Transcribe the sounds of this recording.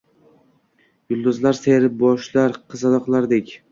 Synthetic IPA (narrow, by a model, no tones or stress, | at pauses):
jʊlˠd̪ʊzlaɾseɾɪp̚bɒʃlaɾqʰɨzad̪ɒqlˠaɾd̪ekʲ